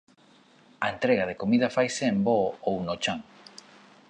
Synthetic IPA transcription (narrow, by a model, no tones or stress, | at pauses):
aent̪ɾeɣað̞ekomið̞ɐfajseːmboownot͡ʃaŋ